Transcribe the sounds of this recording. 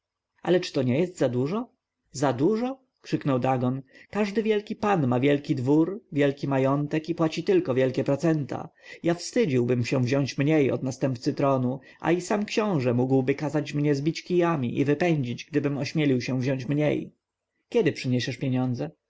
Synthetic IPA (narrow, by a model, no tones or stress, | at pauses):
a̰lɛt͡ʂɘ̥t̪ɔɲɛjɛst̪zad̪uʐɔ | zad̪uʐɔ | kʂɘknɔwd̪aɡɔnkaʐd̪ɘvʲjɛlkʲipanmavʲjɛlkʲid̪vuɾvʲjɛlkʲimajɔnt̪ɛkipwat͡ɕit̪ɘlkɔvʲjɛlkʲɛpɾɔt̪sɛnt̪ʰa̰jafst̪ɘd͡ʑiwbɘmɕɛ̃vʑɔ̃ɲt͡ɕmɲejɔ̰d̪nast̪ɛmp̚t̪sɘt̪ɾɔnu | ʔa̰isamkɕɔ̃w̃ʐɛmuɡwbɘkazat͡ɕmɲɛzbʲit͡ɕkʲijamʲiʔḭvɘpɛɲd͡ʑid͡ʑɡd̪ɘbɘmɔɕmʲjɛlʲiwɕɛ̃vʑɔ̃ɲt͡ɕmɲḛj | kʲɛd̪ɘpʂɘɲɛɕɛʂpʲjeɲɔnd̪zɛ